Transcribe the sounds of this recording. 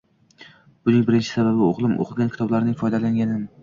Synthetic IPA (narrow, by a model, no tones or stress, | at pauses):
b̥ʊnɪŋbɪɾɪnt͡ʃʰɪsababɪo̰ʁlˠɪmʔo̰qʰɪlˠɡʲankʲʰɪ̥t̪ɒblaɾnɪŋfɒjd̪alaŋɡʲanɪm